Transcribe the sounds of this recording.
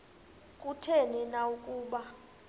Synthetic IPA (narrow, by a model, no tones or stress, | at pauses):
kʼutʰɛnɛnaukʼuːɓa